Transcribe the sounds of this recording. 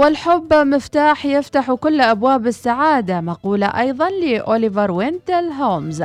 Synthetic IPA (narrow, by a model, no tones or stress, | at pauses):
wɪlħʊbːmɪft̪aːħjɪft̪aħukʊlːʔabwaːbɪsːaʕaːd̪amɑquːlaʔɑjðˤɑnlɪʔoːlɪvɑɾˤwɪnd̪ɪlɦoːmz